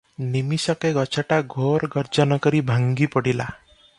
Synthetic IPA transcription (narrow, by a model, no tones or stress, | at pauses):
nimisʌkeɡʌt͡ʃʰaʈaɡʱoɾɡʌɾd͡ʒɔnɔɡʌɾibʱaŋɡipɔɽila̰